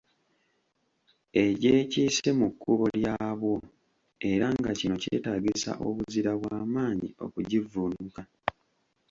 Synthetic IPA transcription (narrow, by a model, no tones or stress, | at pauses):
e̞ɟeːciːse̞mukːuβo̞ljaːβwo̞ | e̞ɾaŋɡacino̞cḛːtaːɟisa̰ʔo̞βuziɾaβwaːmaːɲḭo̞̰kuɟivunuka